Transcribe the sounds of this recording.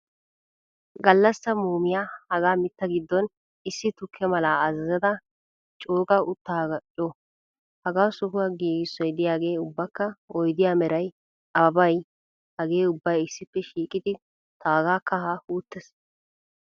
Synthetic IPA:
ɡɐlːɐsːɐmuːmɪjaːhɐɡaːmɪt̪ːɐɡɪd̪ːɔn | ɪsːɪt̪ʊkʰːɛmɐlaːɐzɐzɐd̪ɐ | t͡ʃʼoːɡɐʊt̪ːaːɡɐt͡ʃʼɔ | hɐɡaːsʊɦʊwɐɡiːɡɪsːɔjd̪ɪjaːɡe̞ːʊbːɐkːɐɔjd̪ɪjaːmɛɾɐj | ɐbɐj | hɐɡe̞ːʊbːɐjɪsːɪpːɛʃiːkʼɪd̪ɪ | t̪aːɡaːkːɐhahuːt̪ːɛs

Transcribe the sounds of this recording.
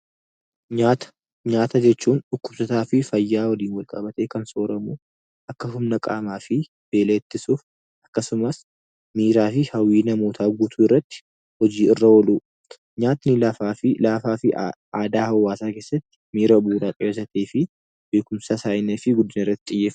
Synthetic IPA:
ɲaːt̪ɐ̥ | ɲaːt̪ɐd͡ʒɛt͡ʃːuːnʊkːʊb̥sɔt̪aːfɪfɐjːaːwɐliːnwɐlkʼɐbɐt̪e̞ːkɐnso̞ːɾɐmuː | ʔɐkːɐɦʊmnɐkʼaːmaːfɪ | b̥e̞ːleːt̪ːɪsuːf | ʔɐkːɐsʊmɐs | miːɾaːfɪhɐwiːnɐmoːt̪ʰaːɡuːt̪ʰuːɪrːɐt̪ːɪ̥ | hɔd͡ʒiːɪrːɐwɔluː | ɲaːt̪nɪlɐfaːfɪlaːfaːfɪ | aːd̪aːhɐwːaːsaːkeːsːɐt̪ːɪ̥miːɾɐbuːɾaːpʼɪeːs̬ɐt̪eːfɪ | be̞ːkʊmsasaːjɪneːfɪɡʊd̪ːɪnɪrːɐt̪ːɪt̪ʼɪjːeːf

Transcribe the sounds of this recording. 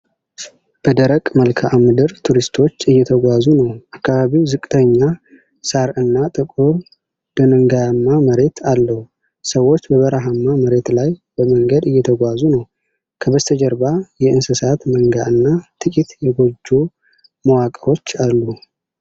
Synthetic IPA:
b̥əd̪əɾəkʼməlkʰaʔamɨd̪ɨɾt̪ʰuɾist̪ʰo̞t͡ʃːɨjːɛt̪ʰəɡʷazunəwʔakʰːaβaβiwzɨkʼt̪ʰəɲːa | saɾɨnːat̪ʼɨkʼuɾ | d̪̥ɨnɨŋɡajamːaməɾe̞t̪ʰalːəhu | səwːo̞t͡ʃːbəβəɾaɦamːaməɾe̞t̪lajbəməŋɡəd̪ɨjːɛt̪ʰəɡʷazunəw | kʰəbət̪ʰəd͡ʒəɾbajɛɨnsɨsat̪məŋɡaʔɨnːat̪ʰʼɨkʼit̪jɛɡo̞d͡ʒːu | məwakʼəɾo̞t͡ʃːalːu

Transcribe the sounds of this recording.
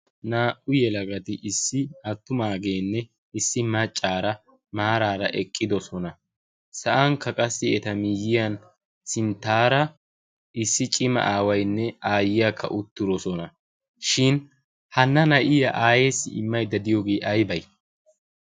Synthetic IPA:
naːʔʊjɛlɐɡɐt̪ɪʔɪsːɪɐt̪ːʊmaːɡe̞ːnːɛ | ɪsːɪmɐt͡ʃʼːaːɾɐ | maːɾaːɾɐʔɛkʼːɪd̪ɔsɔnɐ | sɐʔɐŋkːɐkʼɐsːɪɛt̪ɐmijːɪjɐn | sɪnt̪ːaːɾɐ | ʔɪsːɪt͡ʃʼɪmɐ̰ʔaːwɐjnːɛaːjɪjɐkʰːɐ̰ʔʊt̪ːɪɾɔsɔnɐ | ʃɪn | hɐnːɐnɐʔɪjɐʔaːjeːsːɪ̰ɪ̰mːɐjd̪ɐd̪ɪjoːɡeːʔɐjbɐj

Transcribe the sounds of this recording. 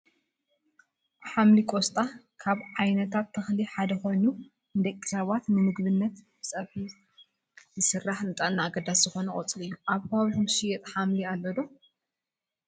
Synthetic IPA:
ħamlikʼost̪ʼa | kʰaβʕajnɐt̪ʰat̪ʰːɨxliħad̪ɐxo̞jnu | nɨd̪ɐkʼːi̥sɐβat̪nɨmɨɡβɨnːɐt̪bɨsʼɐfi | zɨsɨrːaħnɨt̪ʼanːaːɡɐd̪asz̥ɨxo̞nɐkʼɐt͡sʼlɨjːuʔaβkɐβaβiħumʃijɛt̪ʼħamlialːɐd̪o

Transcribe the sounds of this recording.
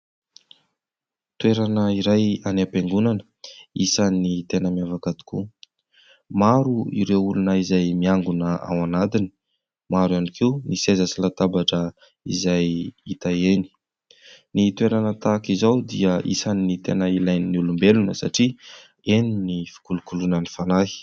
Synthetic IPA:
t̪ueɾanəiɾajanapeŋɡunanə̥ | isanit̪enəmiavakad̪i̥kṵ | maɾuḭɾewulunəizajmiaŋɡunəa̰wanad̪ini̥ | maɾanikʰiunisezasilat̪abaʈ͡ʂə | ḭzajit̪aeni̥ | nit̪weɾanət̪akizawd̪iəʔḭsanːit̪enəilajniniulumbelunəsaʈ͡ʂi | eninifi̥kulukulunənifanaɦi̥

